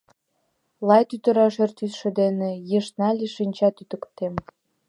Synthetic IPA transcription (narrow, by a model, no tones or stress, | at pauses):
lɑjt̪yt̪ə̆ɾɑʃert̪ysʃĕd̪enĕjeʃnɑlʲeʃinʲt͡ɕɑt̪yt̪ə̆kt̪em